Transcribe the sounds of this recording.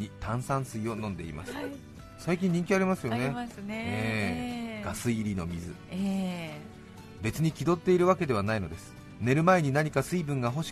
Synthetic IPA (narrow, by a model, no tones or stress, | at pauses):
it̪ãɰ̃sãɰ̃sɨio̞nõ̞nd̪e̞ḭma̰sɨ̥ | saikʲĩɲ̟ĩŋkʲiaɾʲimasɨjo̞neeɡ̥asɨiɾʲino̞mʲizɨ̰ | be̞t͡sɨɲ̟ikʲid̪o̞t̪ːe̞iɾɯ̟βake̞d̪e̞β̞anaino̞d̪e̞sɨ̥ | ne̞ɾɯ̟mae̞ɲ̟inaɲ̟ikasɨibɯ̟̃ŋɡaɦo̞ɕi̥